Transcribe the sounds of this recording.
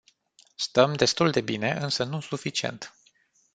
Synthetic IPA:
st̪əmd̪e̞st̪uld̪e̞bine̞ʔɨnsənusufit͡ʃiḛnt̪

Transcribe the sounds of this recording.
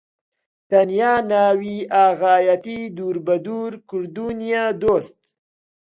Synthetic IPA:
t̪anjaːnaːwiʔaːɣaːjat̪id̪uɾbad̪uɾkʊɾd̪unijad̪oːst̪̚

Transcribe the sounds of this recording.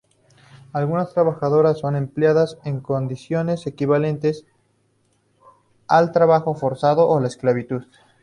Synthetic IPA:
alɣunast̪ɾaβaxaðo̞ɾasːo̞ne̞mpljaðase̞ŋkond̪isjo̞ne̞se̞kiβale̞nt̪e̞s | alt̪ɾaβaxo̞fo̞ɾsaðoʔolaesklaβit̪uð

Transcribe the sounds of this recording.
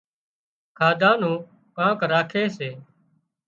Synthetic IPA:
kʰaːd̪ʱãːnũː | pãːkɾaːkʰeːseː

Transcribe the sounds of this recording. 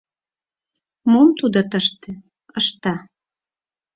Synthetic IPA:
momt̪ud̪ot̪əʃt̪ĕ | əʃt̪ɑ

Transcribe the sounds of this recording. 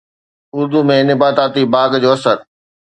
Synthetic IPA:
ʊɾd̪umẽnɪbaːt̪aːt̪ibaːɡd͡ʑoːɐsəɾ

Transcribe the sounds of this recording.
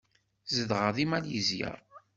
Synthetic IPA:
zəðʁəðimæljəzjə̰ɾˤ

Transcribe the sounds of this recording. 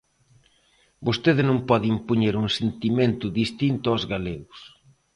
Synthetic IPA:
bost̪eðɪnõŋpɔðɪimpoɲeɾuŋsent̪iment̪ʊðist̪int̪ʊawzɣaleɣʊs

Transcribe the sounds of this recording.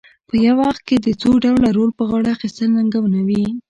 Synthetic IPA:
pəjawɑxt̪̚ked̪ət͡soɖawlaɾolpəɣɑɽaxist̪əlnaŋɡawnawi

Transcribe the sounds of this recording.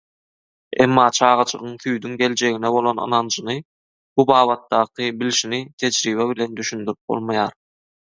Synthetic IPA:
emːɑːt͡ʃʰɑːʁɑt͡ʃʰɯ̰ʁɯŋθyjd̪yŋɡe̞lʲd͡ʒe̞ɣinɛβo̞lˠo̞nɯ̰nɑnd͡ʒɯnɯ | b̥ubɑːβɑt̪̚ːɑːqʰɯbilʃinit̪ʰe̞d͡ʒɾiːβeβile̞nd̪yʃynd̪yɾyp̚b̥o̰lˠmɑjɑːɾ

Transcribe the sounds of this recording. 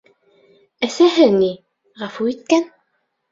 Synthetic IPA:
æsæɦɘni | ʁɑfuit̪̚kæn

